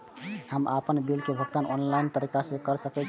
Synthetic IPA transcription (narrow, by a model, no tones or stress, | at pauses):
həma̰pənbilkebʱəɡt̪anɔ̰nlaint̪əɾikasẽkəɾsəkɛt͡ʃʰ